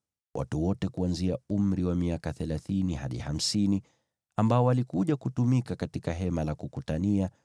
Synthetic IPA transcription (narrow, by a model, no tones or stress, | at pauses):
wʔa̰tuwɔtɛkuanziaum̩ɾiwamiakaθɛlaθiniha̰ɗḭham̩sini | ambaɔwalikuʄakutumikakatikaɦɛmalakukutania